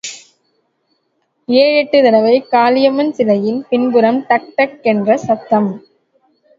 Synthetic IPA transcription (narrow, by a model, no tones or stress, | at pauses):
eːɻɛʈːɯðɐnɐʋɐɪkaːlɪjɐmɐnsɪlɐjɪnpɪnbɯɾɐmt̪ɐk̚ʈɐkːɛndrɐsɐt̪ːɐm